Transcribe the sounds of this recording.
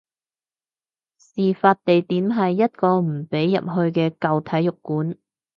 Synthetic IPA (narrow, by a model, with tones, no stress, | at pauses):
siː˨faː˧t̚t̪e˨jt̪iː˨˥mɦɐ˨jːɐ˥t̚kɔː˧m̩˨˩pe˨˥jːɐ̰˨p̚ɦɵ˧ɥkɛː˧kɐ˨wt̪ʰɐ˨˥jːʊ˨kːuː˨˥n